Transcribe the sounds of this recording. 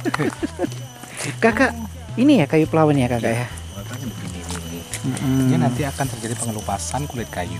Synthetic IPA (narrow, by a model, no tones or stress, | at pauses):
kakaʔ | inijakajupəlawənjakakaʔja | apakinininim̩əm̩ianant̪iakant̪ərd͡ʒadipəŋəlupasankuluit̪̚kajṵ